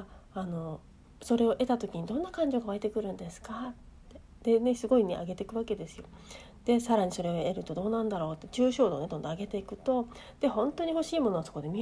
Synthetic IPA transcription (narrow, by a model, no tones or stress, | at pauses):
ano̞ | so̞ɾe̞o̞ʔe̞t̪at̪o̞kʲiɲ̟id̪õ̞nːakãɲ̟d͡ʑo̞ɡaβaet̪e̞kɯ̟ɾɯ̟̃nd̪e̞sɨ̥kate | d̪̥e̞ne̞sɨɡo̞inḛa̰ɡe̞t̪e̞kɯ̟βake̞d̪e̞sɨ̥jo̞ | d̪̥e̞saɾaɲ̟iso̞ɾe̞oe̞ɾɯ̟t̪o̞d̪o̞ːnãnd̪aɾo̞ːt̪ːet͡ɕɨːɕo̞ːd̪o̞ːne̞d̪o̞nd̪oaɡe̞t̪e̞ikɯ̟̥t̪o̞ | d̪̥e̞hõ̞nt̪o̞ɲ̟iho̞ɕiːmo̞no̞aso̥kod̪e̞mʲi